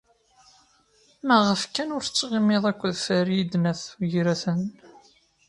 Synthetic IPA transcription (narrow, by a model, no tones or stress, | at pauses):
mæʁəfkænʊɾθət͡sːʁimːeðˤækʷːðfəɾjid̪næθʝɾæθən